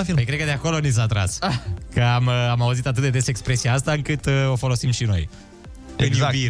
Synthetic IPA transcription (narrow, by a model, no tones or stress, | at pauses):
fipəjkɾed̪kəd̪eako̞loniz̬at̪ɾa̰skəamamauzit̪at̪ɨt̪̚d̪ed̪esekspɾe̞sijaast̪aɨŋkɨt̪o̞fo̞lo̞simʃino̞̰j | zavi